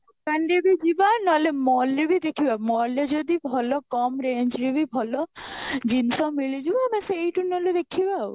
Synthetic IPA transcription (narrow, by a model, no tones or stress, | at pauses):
kanɖibʱid͡ʒibanɔlemɔlebʱid̪ekʰibamɔɾled͡ʒɔd̪ibʱɔlɔkɔmɾeɲd͡ʒɾebibʱɔlɔd͡ʒinsɔmiɭid͡ʒibameseːjʈunɔled̪ekʰibau